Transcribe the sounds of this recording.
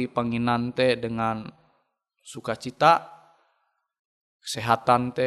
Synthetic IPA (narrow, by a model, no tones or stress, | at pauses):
ipaŋinant̪ɛdəŋan | sukat͡ʃit̪a | kə̥sɛɦat̪ant̪ɛ